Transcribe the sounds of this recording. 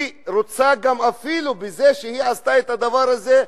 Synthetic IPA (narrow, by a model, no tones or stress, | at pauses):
ɾot͡saɡamafilubezeʃehiʕast̪aet̪had̪avaɾhaze